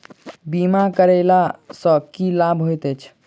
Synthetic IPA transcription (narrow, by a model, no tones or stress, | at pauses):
bimakəɾɛlasə̃kilabʱɦojt̪ɛt͡ʃʰ